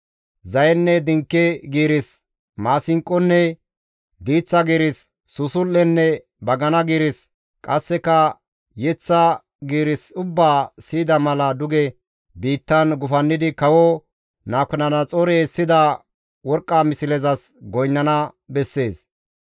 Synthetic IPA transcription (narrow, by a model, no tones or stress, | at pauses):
zɐjɛnːɛd̪ɪŋkːɛɡiːɾɪs | maːsɪŋkʼːɔnːɛ | d̪iːt͡sːɐɡiːɾɪsː | ʊsʊlːɛnːɛ | bɐɡɐnɐɡiːɾɪs | kʼɐsːɛkɐ | jɛt͡sːɐ | ɡiːɾɪsʊbːaːsiːd̪ɐmɐlɐd̪ʊɡɛ | biːt̪ːɐnɡʊfɐnːɪd̪ɪkɐwɔ | naːkɔnɐnɐt͡sʼɔɾesːɪd̪ɐ | wɔɾkʼːamɪsɪlɛzɐs | ɡɔjnːɐnɐbɛsːe̞ːs